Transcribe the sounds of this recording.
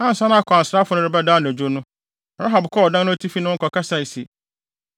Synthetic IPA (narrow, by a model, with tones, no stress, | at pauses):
ã˦n̩˨sã˦ñ˦a˦˨kʰɔ˨a˨n̩˨sɾa˦fʊ˨nʊ̃˦ɾɪ˨˦ba˦daː˦nʊ̃˨æ˨d͡ʑu˦o˦nʊ̃˦ | bɾa˦ɦa˨bkʰɔ˦ɔ˨dã˦nʊ̃˦tʰi˦fi˦nʊ̃˦ŋ̩˦kɔ˨ka˦sa˦˨i˨se˨